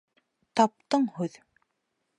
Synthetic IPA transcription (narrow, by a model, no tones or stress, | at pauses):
t̪ɑp̚t̪ɤɴhʉð